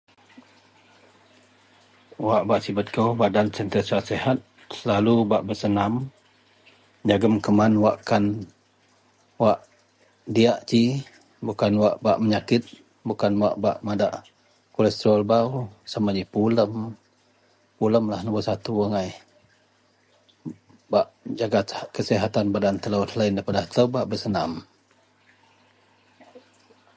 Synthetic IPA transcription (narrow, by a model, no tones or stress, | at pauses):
waʔbaʔsibət̪̚kobadant͡ʃənt̪əsasehat̪̚ | səlalubaʔbəsənam | d͡ʒaɡəmkəmanwaʔkan | waʔ | diaʔt͡ʃi | bukanwaʔbaʔməɲakɪt̪̚ | bukanwaʔbaʔmadaʔ | kolɛst̪əɾalbawsamaɲipuləm | puləmlahnəbasat̪uaŋaj | baʔd͡ʒaɡakəsiɦat̪anbadant̪əlawt̪laindapadaht̪əwbaʔbəsənam